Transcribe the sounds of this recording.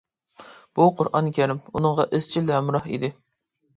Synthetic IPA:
b̥uqʰʊɾʔɑ̰nkʲʰɛɾɪmunɨŋʁɑʔɪz̥t͡ʃʰilɛmɾɑhḭd̪ɪ

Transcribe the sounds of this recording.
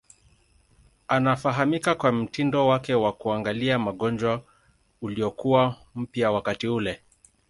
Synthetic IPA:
anafaɦamikakwam̩tindɔwakɛwakuaŋɡaliamaɠɔnd͡ʒwa | uliɔkuwam̩pjawakatiulɛ

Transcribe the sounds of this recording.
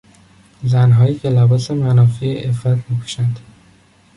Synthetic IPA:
zænɦɒːjiːcʰe̞læbɒːse̞mænɒːfiːeʔefɾæt̪ʰmiːkʰu̥ʃænd̪̥

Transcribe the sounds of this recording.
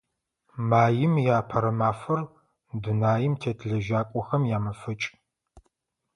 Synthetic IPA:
maːjɪmjaːpʰɐɾɐmaːfɐr | dunaːjɪmtʰeːtʰɮɐʒaːkʷʼɔxɐmjaːmɐfɨt͡ʃʼ

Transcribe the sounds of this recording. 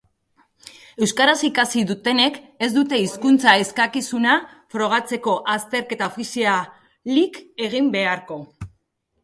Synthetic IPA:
e̞wskaɾasikasiðut̪e̞ne̞k | e̞zd̪ut̪e̞iskunt͡sae̞skakisuna | fɾo̞ɣ̞at͡se̞ko̞ʔast̪e̞ɾke̞t̪aofisia | like̞ɣ̞imbe̞aɾko̞

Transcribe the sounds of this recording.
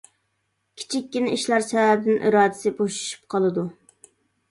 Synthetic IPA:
kʲʰi̥t͡ʃʰikʲːinɪiʃlˠɑɾsɛvæbɪd̪ɪnʔḭɾɑːd̪ɪsɪboʃu̥ʃy̥p̚qʰɑlˠɨd̪u

